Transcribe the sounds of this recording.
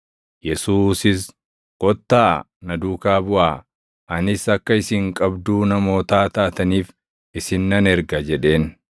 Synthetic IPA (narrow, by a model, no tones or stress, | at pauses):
jɛsuːsɪs | ɡ̥ʼɔt̪ːaː | nɐd̪uːkaːbʊʔaː | ʔɐnɪsɐkːɐɪsɪŋkʼɐbd̪uːnɐmo̞ːt̪aːt̪aːt̪ɐniːf | ʔɪsɪnːɐnɛɾɡɐd͡ʒɛᶑe̞ːn